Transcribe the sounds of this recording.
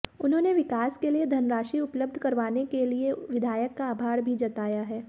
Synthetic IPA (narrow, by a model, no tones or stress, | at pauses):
ʊnɦõːneʋɪkaːskelied̪ʱɐnɾaːʃiʊpləb̚d̪ʱkɐɾʋaːnekelieʋɪd̪ʱaːjəkːaːbʱaːɾbʱid͡ʒɐt̪aːjaɦɛː